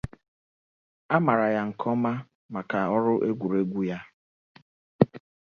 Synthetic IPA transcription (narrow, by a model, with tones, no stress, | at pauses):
a˦ma˨ɾa˨ja˨ŋ̩˨kʰɔ˦ma˦ | ma˨ka˨ɔ˦ɾʊ˦ʔe˦ɡʷu˨ɾe˦ɡʷu˦ja˦